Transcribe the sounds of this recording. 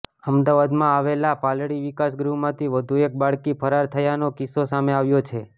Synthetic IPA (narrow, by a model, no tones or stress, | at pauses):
əmd̪aʋad̪mãaʋelapalɽiʋikasɡɾumãt̪ʰiʋəd̪ʱuek̚baɭkipʰəɾaɾt̪ʰəjanokisosameaʋjot͡ʃʰe